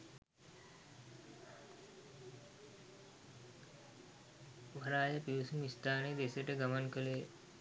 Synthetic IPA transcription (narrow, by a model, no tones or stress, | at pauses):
ʋʱɐɾaːjəpiʋusumist̪aːned̪eseʈəɡəmənkəleː